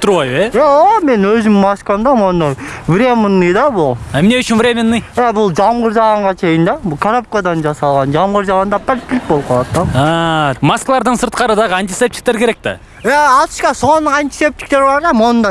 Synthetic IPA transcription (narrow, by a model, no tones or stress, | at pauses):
t̪ʊɾɑjeeome̞nwɵzɪmːɑskɑmd̪ɑmond̪ɑjvɾʲemənːɨjd̪ɑbʊlˠæmne̞ʏʃɪnvɾʲemenːɨjjæbʊlˠʒɑmʁəɾʒɑʁɑɴʁɑt͡ʃʰe̞jɪnd̪ɑbʊkʰaɾap̚kad̪ɑnʒɑsɑlˠʁɑnʒɑmʁəɾʒɑʁɑnd̪ɑpʰɪɾt̪kʲːɪlɪk̚bolˠp̚qʰɑlˠɑd̪t̪ːd̪ɑɑmɑskalˠɑɾd̪əɴsəɾt̪̚qɑɾəd̪ɑʁəɑnt̪isep̚t̪ʲik̚t̪eɾkʲʰe̞ɾek̚t̪ɑ̰ | æɑt̪ʃkɑso̞nːəɴɑnt̪i̥se̞p̚t̪i̥k̚t̪eɾbɑɾd̪ɑmonənd̪ɑj